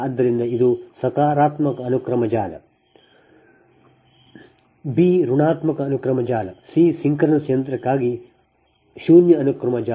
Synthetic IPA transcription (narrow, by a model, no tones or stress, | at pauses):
ɐd̪ːɐɾind̪ɐid̪usɐkaːɾaːt̪mɐkɐːnukɾɐmɐd͡ʒaːlɐ̰ | biːɾuɳaːt̪mɐkɐːnukɾɐmɐd͡ʒaːlɐsisiŋkɐɾɐnɐsjɐnt̪ɾɐkːaːɡi | ʃuːnjɐːnukɾɐmɐd͡ʒaː